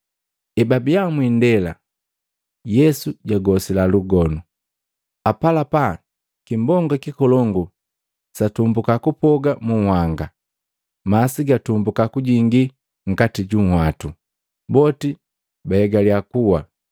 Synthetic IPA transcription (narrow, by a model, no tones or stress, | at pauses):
ɛbabijamwindɛla̰ | jɛsuɟaɡɔsilaluɡɔnu | apalapa | kimbɔŋɡɔkikɔlɔŋɡu | satumbukakupɔɡamuŋ̩hwaŋɡa | masiɡatumbukakuɟiŋɡi | ŋ̩katiɟuŋ̩hwatu | bɔti | bahɛɡaliakuwa